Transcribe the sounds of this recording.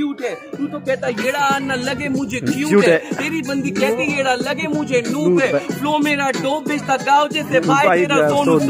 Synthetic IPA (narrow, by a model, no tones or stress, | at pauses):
kjuːʈɛːt̪uːt̪oːkɛːt̪aːjeːɽaaːnːãːləɡeːmʊ̃d͡ʒʱeːkjuːʈːɛt̪eːɾiːbənd̪iːkɛːk̪eeːɽaːləɡeːmʊ̃d͡ʒʱenũːtɛːloːmeːɾaːɖoːbeːd͡ʒt̪aːɡaːʊt͡ʃet̪epaːieːɾakoːn